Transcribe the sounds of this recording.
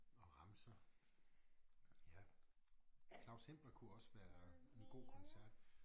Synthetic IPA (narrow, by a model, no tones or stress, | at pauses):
ɒ̽ʁɑ̈məsɑ | jæ | kʰlɑ̈ʊshem̰b̥ɐkʰuɒ̽sʋæːɐe̝nɡ̥o̝̰ːkʰɒ̽nsæɐ̰d̥